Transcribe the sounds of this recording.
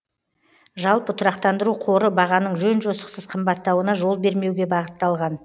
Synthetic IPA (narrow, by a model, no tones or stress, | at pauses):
ʒɑlˠpət̪ʰʊɾɑqt̪ɑnd̪əɾuqʰo̞ɾəbɑʁɑnəɴʒɵnʒosə̥qsəz̥qʰəmbɑt̪ːɑwənɑʒo̞lˠbe̞ɾme̞wɡʲe̞bɑʁət̪ːɑlˠʁɑn